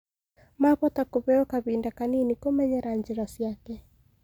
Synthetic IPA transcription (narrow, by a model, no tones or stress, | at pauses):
maβɔtakuβɛɔkaβindakaninikɔmɛɲɛɾaɲd͡ʒɛɾɔsjakɛ